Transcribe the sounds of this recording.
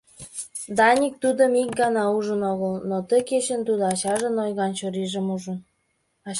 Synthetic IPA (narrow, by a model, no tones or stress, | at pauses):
d̪ɑnʲik̚t̪ud̪əmik̚ɡɑnɑuʒə̆noɣəlnot̪əket͡ɕə̆nt̪ud̪oɑt͡ɕɑʒə̆nojɣɑnt͡ɕoɾiʒə̆muʒə̆n | ɑ